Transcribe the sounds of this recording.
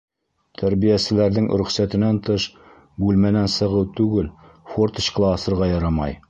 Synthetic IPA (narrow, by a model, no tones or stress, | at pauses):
t̪ʰæɾbijæsɘ̆læɾðɘŋɾɵ̆χsæt̪ɘ̆nænt̪ɤʃ | bʉlmænænsɤ̆ʁɤwt̪ʉɡɘl | fort̪ɘ̥̆ɕklˠɑːsɤ̆ɾʁɑjɑɾɑmɑ̰j